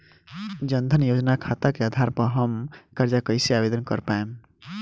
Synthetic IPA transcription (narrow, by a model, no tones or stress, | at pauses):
d͡ʒənd̪ʱənjod͡ʒnakʰat̪akead̪ʱaɾpəɦəmkəɾd͡ʒakəɪseabed̪ənkə̰ɾpaem